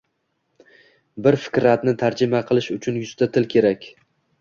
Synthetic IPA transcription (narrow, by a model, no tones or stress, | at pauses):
bɪɾfɪ̥kʲɾat̪nɪt̪ʰaɾd͡ʒɪmaqʰɨlˠɪʃʊt͡ʃʰʊnjʊst̪at̪ʰɪlkʲʰe̞ɾakʲ